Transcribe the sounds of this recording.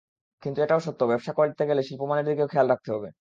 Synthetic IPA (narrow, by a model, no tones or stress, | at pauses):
kint̪ueʈaoʃot̪ːobɛbʃakoɾed͡ʑit̪ːeɡeleʃilpomaneɾd̪ikeokʰɛalɾak̚t̪eɦɔbe